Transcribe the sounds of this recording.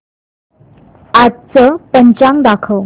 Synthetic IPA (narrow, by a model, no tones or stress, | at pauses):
at̪̚t͡səpəɲt͡ɕaŋd̪akʰəw